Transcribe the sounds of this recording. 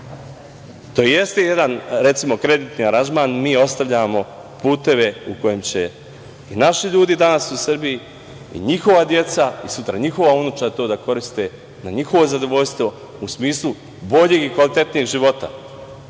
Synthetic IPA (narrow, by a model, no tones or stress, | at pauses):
t̪oje̞st̪e̞je̞d̪anɾe̞t̪simo̞kɾe̞d̪it̪niaɾand͡ʒmaːnmiːo̞st̪aʋʎamo̞ | puːt̪e̞ʋe̞uko̞jemt͡ɕe̞ | inaʃiʎuːd̪id̪anasusr̩biji | ḭɲixo̞ʋad̪je̞t̪saisut̪ɾaɲixo̞ʋaunut͡ʃat̪o̞ːd̪ako̞ɾist̪e̞ | naɲixo̞ʋo̞zad̪o̞ʋo̞ʎst̪ʋo̞ | usmiːslˠu | bo̞ʎeɡikʋalit̪e̞t̪nieːɡʒiʋo̞t̪a̰